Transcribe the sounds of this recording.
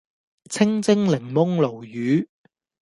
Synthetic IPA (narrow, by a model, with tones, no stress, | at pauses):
t͡sʰɪ˥ŋt͡sɪ˥ŋlɪ˨˩ŋmʊ˥ŋlo˨˩wjyː˨˧˦